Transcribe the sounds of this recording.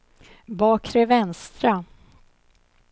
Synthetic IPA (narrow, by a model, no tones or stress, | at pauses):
bɑːkʰɾɛvɛnst̪ɾa